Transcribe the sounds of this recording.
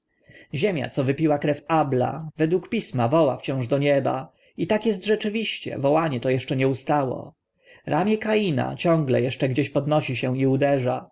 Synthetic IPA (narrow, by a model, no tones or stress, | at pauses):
ʑemʲja̰t̪sɔvɘpʲiwakɾɛfabla̰vɛd̪wukpʲismavɔwa̰ft͡ɕɔ̃w̃ʐd̪ɔɲɛba̰ | it̪akjɛst̪ʐɛt͡ʂɘvʲiɕt͡ɕɛ̰vɔwaɲɛt̪ɔjɛʂt͡ʂɛɲɛust̪awɔ̰ | ɾʔamʲjɛkajina̰t͡ɕɔ̃ŋɡlɛ̰jɛʂt͡ʂɛɡd͡ʑeɕpɔd̪nɔɕiɕɛ̃iud̪ɛʐa